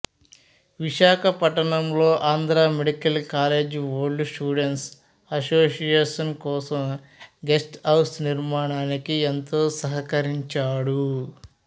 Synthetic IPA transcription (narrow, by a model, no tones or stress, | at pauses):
ʋiʃaːkʰɐpɐʈɐɳɐmlo̞ːʔaːnd̪ɾaːmeɽikɐlkaːle̞ːd͡ʒʋoːɾɖsʈuːɖeɳʈs | ɐsoːsijeːʂɐnkɔːsɐm | ɡe̞sʈɐwsniɾmaːɳaːnikient̪oːsɐɦɐkɐɾiɲt͡ʃaːɽu